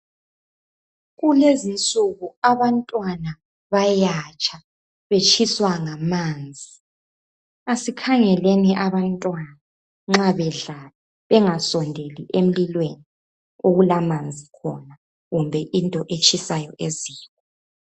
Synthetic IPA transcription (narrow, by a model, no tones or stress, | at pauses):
ɣulezint͡sʼuɣuaβantʼwana | βajat͡ʃʼa | βet͡ʃʼʰiswaŋamaːnd͡zʱi | asikʰaŋɛleniʔaβantʼwana | ŋ͡ǁaβɛɮalɛ | βɛŋasɔndʱeliʔem̩lilweni | oɣulamand͡zʱikʰɔ̰na | ɣumbʱɛʔintʼɔʔet͡ʃʼʰisajɔʔeziːkʼɔ